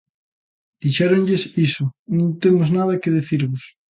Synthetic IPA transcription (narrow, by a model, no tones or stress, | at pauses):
d̪̥iʃeɾoɲʎesisonõnt̪emoznað̞akeðeθiɾβos